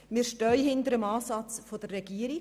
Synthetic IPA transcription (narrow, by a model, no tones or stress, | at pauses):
mɪɾʃtœʏhɪndəɾəmɑːsɑt͡sfod̥̪ərːɛɡ̥iːəɾi